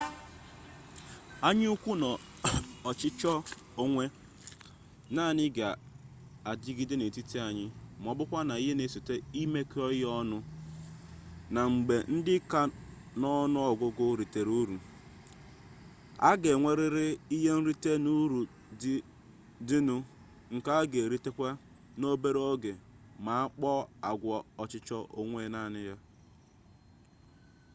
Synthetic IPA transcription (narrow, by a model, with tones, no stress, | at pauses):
a˦ɲ˦u˦kʷu˦nɔ˨ | ɔ˨t͡ʃɪ˦t͡ʃɔ˦ | o˦ŋʷe˦ | naː˦˨nɪ˦ɡa˨ | a˨di˦ɡɪ˦dɪ˦ne˨ti˦ti˦a˨ɲɪ˦m˨ɔ˨bʊ˦kʷa˦na˨i˦ɦe˦ne˨si˨te˦i˦me˦kɔ˦ɔ˦nʊ˦ | na˨ŋ͡m̩˨ɡ͡be˨n̩˦dɪ˦ka˦ | nɔ˦nʊ˦ɔ˨ɡʷʊ˦ɡʊ˦ɾi˨te˨ɾu˦ɾu˨ | a̰˦ɡe˨ŋʷe˦ɾɪ˦ɾɪ˦i˦ɦe˦n̩˦ɾi˦te˦nu˦ɾu˨˦ | dɪ˦nu˦ | ŋ̩˨ka˦a˦ɡe˨ɾi˦te˦kʷa˦ | no˦be˦ɾe˦o˦ɡe˨ | ma˨a˦k͡pɔ˦a˨ɡʷɔ˨ɔ˨t͡ʃɪ˦t͡ʃɔ˦ʔo˨ŋʷe˦na˨nɪ˦ja˦